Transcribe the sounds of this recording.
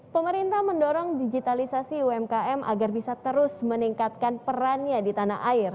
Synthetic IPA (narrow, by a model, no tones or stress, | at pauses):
pəməɾint̪ahməndɔɾɔŋdid͡ʒit̪alisasiuɛmkaɛmʔa̰ɡarbisat̪əɾʊsməniŋkat̪̚kanpəɾanɲadit̪ana̰ɦaɪr